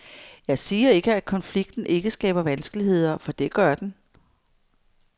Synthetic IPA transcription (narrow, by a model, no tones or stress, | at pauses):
jɑ̈ɪsiːɐe̝ɡ̥əæ̥kʰɒ̽nfliɡ̥̚d̥n̩ʔe̝ɡ̥əsɡ̥ɛ̰ːb̥ɐʋænsɡ̥əlihe̝ð̞̰ˠɐfɒ̽d̥e̝ɡ̥ɶɐd̥en